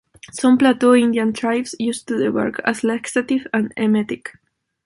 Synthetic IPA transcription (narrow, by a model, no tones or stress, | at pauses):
sɔ̃mplat̪uĩnd̪iãnt̪ɹajvsjust̪uðəwɛ̰ɹkʰa̰slɛksat̪ivãnemɛt̪ik